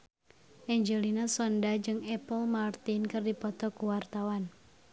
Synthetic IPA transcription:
ʔɛɲd͡ʒelinasɔndad͡ʒɨŋɛpəlmart̪inkɨrdipɔt̪ɔkuwart̪awan

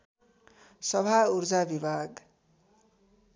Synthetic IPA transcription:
sʌbʱaurd͡zabibʱaɡ

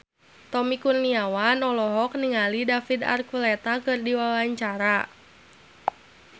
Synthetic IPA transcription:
t̪ɔmikurniawanɔlɔɦɔk̚niŋalidafida̰rkulɛt̪akɨrdiwawaɲt͡ʃaɾa

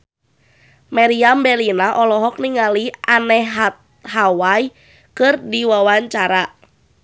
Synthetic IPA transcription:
maɾiambɛlinaʔɔlɔɦɔk̚niŋaliʔanɛɦɦat̪ | hawai | kɨrdiwawaɲt͡ʃaɾa

